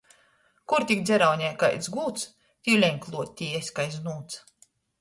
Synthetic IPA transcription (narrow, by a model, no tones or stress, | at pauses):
kuɾt̪ʲikd̪zʲɛɾawɲʲɛjkajt̪sɡuːt̪s | t̪ʲiwlʲɛɲklˠuɔt̪ʲːiːɛsʲkajznuːt̪s